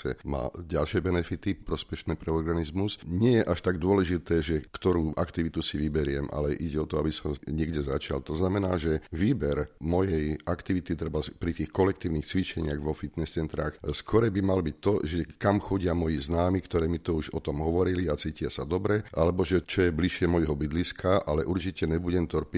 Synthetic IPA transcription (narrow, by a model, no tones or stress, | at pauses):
ɛ̰ma̰ːɟalʃɪɛbɛnɛfit̪ipɾɔspɛʃnɛːpɾɛɔɾɡanizmusɲɪɛjɛʔaʃt̪aɡd̪ʊɔlɛʒit̪ɛːʒɛkt̪ɔɾuːʔakt̪iʋit̪usiʋibɛɾɪɛmʔa̰lɛʔiɟɛɔt̪ɔabisɔmɲɪɛɡɟɛzat͡ʃa̰lt̪ɔznamɛnaːʒɛʋiːbɛɾmɔjɛjakt̪iʋit̪it̪ɾɛbapɾit̪iːxkɔlɛk̚t̪iːʊnixt͡sʋit͡ʃɛɲɪaɣʋɔfit̪nɛst͡sɛnt̪ɾaːxskɔɾɛbimalbic̚t̪ɔʒɛkamxɔɟɪamɔjiznaːmikt̪ɔɾɛːmit̪ɔuʒɔt̪ɔmɦɔʋɔɾiliat͡siːcɪasad̪ɔbɾɛʔalɛbɔʒɛt͡ʃɔjɛbliʃɪɛmɔjɦɔbid̪liskʰaʔalɛʔuɾt͡ʃicɛɲɛbuɟɛmt̪ɔɾpi